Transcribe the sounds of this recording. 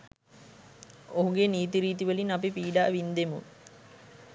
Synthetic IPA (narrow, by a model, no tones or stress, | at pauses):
oɦuɡeniːt̪̬iɾiːt̪iʋəlinapipiːɖaːʋind̪emṵ